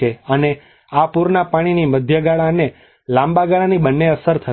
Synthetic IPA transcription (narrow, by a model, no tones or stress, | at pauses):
eəne | apuɾnapaɽ̃iniməd̪ʱjəɡaɭane | lãmbaɡaɭanibənːeəsəɾt̪ʰə